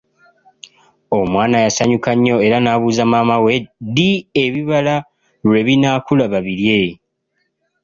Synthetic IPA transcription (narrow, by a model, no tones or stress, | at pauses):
o̞mwaːnajasaɲukaɲːo̞e̞ɾanaːβuːzamaːmawe̞dieβiβala | ɾwe̞βinakulaβaβiɾje̞